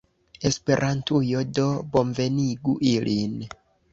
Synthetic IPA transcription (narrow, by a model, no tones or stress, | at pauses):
e̞spe̞ɾʔantujo̞do̞bo̞nve̞niɡuʔilʔin